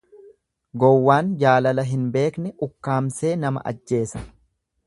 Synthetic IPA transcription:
ɡɔwːaːnd͡ʒaːlɐlɐɦɪnbe̞ːknɛʔʊkːaːmse̞ːnɐmɐ̰ʔɐ̰d͡ʒːe̞ːsɐ̥

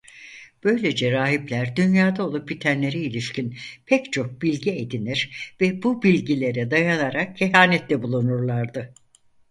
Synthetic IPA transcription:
b̥ø̞jlʲed͡ʒɛɾaːɦiplʲæɾd̪ynjaːd̪ao̞lˠup̚bit̪ʰænlʲe̞ɾiilʲiʃcʰinpʰɛct͡ʃʰo̞k̚bilʲɟied̪iniɾ̥vɛbubilʲɟilʲe̞ɾɛd̪ajanaɾak̚cʰːeɦaːnɛt̪lʲɛbulˠunuɾlˠaɾd̪ɯ

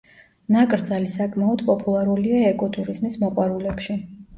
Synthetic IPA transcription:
nakʼɾd̪zalisakʼmaɔd̪pʼɔpʼulˠaɾuliaɛkʼɔt̪ʼuɾizmismɔqʼwaɾulɛpʃi

